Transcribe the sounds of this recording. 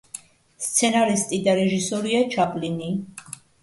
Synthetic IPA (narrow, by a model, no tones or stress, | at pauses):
st̪sʰɛnaɾist̪ʼid̪aɾɛʒisɔɾiat͡ʃʰapʼlini